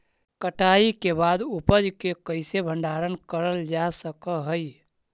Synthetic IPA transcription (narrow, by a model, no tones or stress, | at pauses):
kəʈʰaːikebaːd̪upəd͡ʒkekəɪsebʱə̃ɳɖaːɾənkəɾəld͡ʒasəkəɦəi